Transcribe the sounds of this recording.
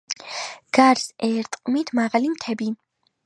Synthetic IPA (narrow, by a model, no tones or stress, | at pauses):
ɡ̥aɾsɛːɾt̪ʼqʼmit̪ʰmaʁalimt̪ʰɛbi